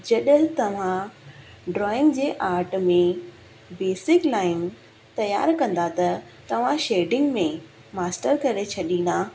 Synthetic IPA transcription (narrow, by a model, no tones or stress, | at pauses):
d͡ʑɐɗəɦɪt̪ɐʋ̤ã | ɖɾɔːɪ̃ŋɡd͡ʑeːʔaːɾʈmẽ | beːsɪklaːɪn | t̪ɐja̰ːɾkɐ̃nd̪at̪ɐ | t̪ɐʋ̤ãʃeːɖɪ̃ŋɡmẽ | maːsʈəɾkɐɾet͡ɕʰɐɗĩnd̪a